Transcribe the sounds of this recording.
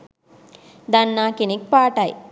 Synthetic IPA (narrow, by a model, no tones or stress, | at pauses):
d̪anːaːkenek̚paːʈɐj